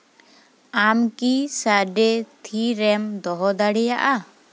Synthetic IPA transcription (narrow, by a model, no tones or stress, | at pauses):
amkisaɖɛt̪ʰiɾɛmd̪ɔɦɔd̪aɽɛjaʔa